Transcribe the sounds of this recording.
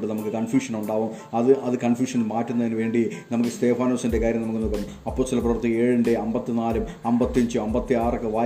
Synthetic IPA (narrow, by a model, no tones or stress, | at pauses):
ɳɖɨnɐmukːɨkɐɳfjuːʂɐnuɳɖaːʋum | ɐðɨʔɐðɨkɐɳfjuːʂɐnilmaːtːunːɐðinɨʋe̞ːɳɖinɐmukːɨst̪e̞ːfaːnoːsinde̞kaːɾjɐmnɐmukːɨnoːkːɐm | ɐpːo̞ːst̪ːɐlprɐʋɐrt̪ːieːɻɨndeɐmbɐt̪ːinaːlɐm | ɐmbɐt̪ːiɐɲd͡ʑɨɐmbɐt̪ːiaːrɨkːɨʋaː